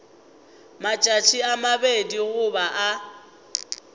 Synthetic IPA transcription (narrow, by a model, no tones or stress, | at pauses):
mat͡ʃʼat͡ʃʰiamabediɣʊbaʔa